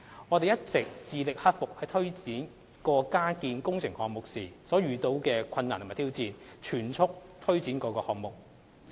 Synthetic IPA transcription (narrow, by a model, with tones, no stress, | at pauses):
ŋɔː˨˧t̪e˨jɐ˥t̚t͡sɪ˨k̚t͡siː˨˧lɪ˨k̚hɐ˥t̚fʊ˨k̚hɐ˨jt̪ʰɵ˥ɥt͡siː˨˥n | kɔː˧kaː˥kiː˨˧nkʊ˥ŋt͡sʰɪ˨˩ŋhɔː˨ŋmʊ˨k̚siː˨˩sɔː˨˥ɥyː˨t̪o˧wkɛː˧kʰɐ˧nːaː˨˩t̪ʰːt̪ʰi˥wt͡siː˧nt͡ʃʰyː˨˩nt͡sʰʊ˥k̚t̪ʰɵ˥ɥt͡siː˨˥nkɔː˨˥kɔː˧hɔː˨ŋmʊ˨k̚